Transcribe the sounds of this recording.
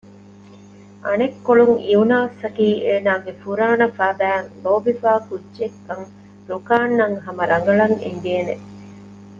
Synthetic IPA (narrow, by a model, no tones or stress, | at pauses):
ʔɐnekːoɭuŋiunaːsɐʈiːʔeːnaːɡefuɾaːnɐfæːbæːŋloːbifaːkud͡ʒekːɐŋ | ɾukaːnːɐŋɦɐmɐɾʔɐŋɡɐɭɐŋḛŋɡ̪eːnḛ